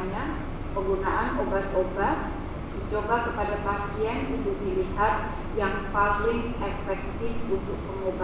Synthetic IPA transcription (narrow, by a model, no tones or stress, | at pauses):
ɲa | pəŋɡunaʔanʔobat̪obat̪̚ | d̥it͡ʃobakəpadapasiɛnud̪uʔdiliɦat̪̚ | jaŋpalɪŋʔɛfɛk̚t̪ɪfunt̪ʊk̚pəŋoba